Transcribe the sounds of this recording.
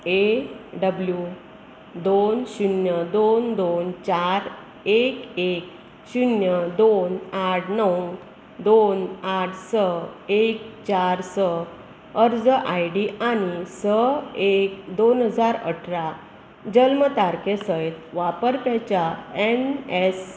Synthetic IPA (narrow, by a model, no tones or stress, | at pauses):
eɖəblju | d̪onɕunjəd̪ond̪ont͡ɕaɾ | ekek | ɕunjəd̪onaʈʰnəw | d̪onaʈʰsəek̚t͡ɕaɾsə | əɾd͡zəʔajɖiʔañisəekd̪onɦəd͡zaɾə̰ʈʰɾa | d͡ʑəlmət̪aɾkesəjt̪ʋapəɾpɛt͡ɕaenes